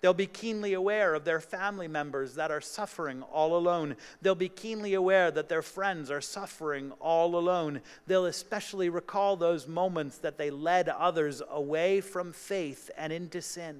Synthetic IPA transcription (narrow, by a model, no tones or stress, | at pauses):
ðeɪlˠbikʰĩnliəwɛɹʌvðə˞fæ̃mlimɛ̃mbə˞zðɨɾə˞sʌfə˞ɪ̃ŋɔlˠəlõʊ̃nðeɪlˠbikʰĩnliəwɛɹðɨt̪̚ðə˞fɹɛ̃ndzə˞sʌfə˞ɪ̃ŋɔlˠəlõʊ̃n | ðeɪlˠəspɛʃl̩ˠiɹɨkʰɔlˠðoʊzmõʊ̃mɨ̃ntsðɨt̪̚ðeɪlɛɾʌðə˞zəweɪfɹʌ̃ɱfeɪθɨ̃ñɪ̃ntʉsɪ̃n